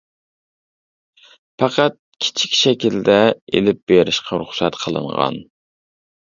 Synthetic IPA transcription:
pɑqʰɑt̪̚kʲʰi̥t͡ʃʰi̥kʲʃɛkʲild̪ɛelɪp̚b̥eɾɪʃqʰɑɾuχsɛt̪qʰəlˠɨ̰ɴʁɑ̰n

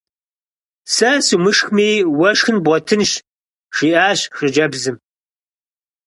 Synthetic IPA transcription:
sɐsumɨʂxmiːwɐʂxɨnbʷɔtʰɨnʃ | ʂiːʔaːɕʂɨd͡ʒɐbzɨm

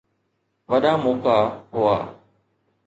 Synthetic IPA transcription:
ʋəɗaːmoːkaːɦʊa̰ː

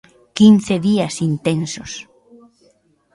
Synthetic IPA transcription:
kin̟θeðiɐsint̪ensos

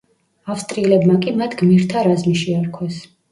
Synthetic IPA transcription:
afst̪ʼɾilɛbmakʼimat̪ʰɡmiɾt̪ʰaɾazmiʃiaɾkʰwɛs

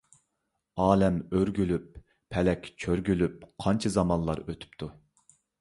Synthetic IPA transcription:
ɑːlɛmøɾɡʲylyp̚ʰː | ɛlɛkʲt͡ʃʰøɾɡʲylyp̚qʰɑnt͡ʃʰɑzɑmɑnlˠɑ̰ɾøt̪ʰy̥pt̪ʰu

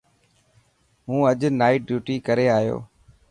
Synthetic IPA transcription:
ɦũːəʄnaːiːɖjuːʈiːkəɾeːaːjo̰ː

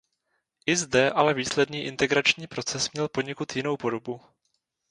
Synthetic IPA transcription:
ʔɪzdɛʔalɛviːslɛdniːʔɪnt̪ɛɡɾat͡ʃɲiːpɾo̞t͡sɛsmɲɛlpoɲɛkut̪jɪno̞wpo̞do̞bu

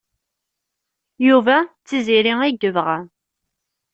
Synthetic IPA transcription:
juvæt͡sːiziɾiŋæɡəvʁa

